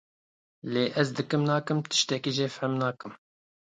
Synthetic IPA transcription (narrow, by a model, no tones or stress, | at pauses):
leːʔɛzd̪ɨkɨmnɑːkɨmt̪ɨ̥ʃt̪ɛkiːʒeːfɛmnɑːkɨm